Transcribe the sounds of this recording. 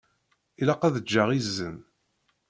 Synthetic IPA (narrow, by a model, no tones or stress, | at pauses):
ilæqæðəd͡ʒːaʁizːən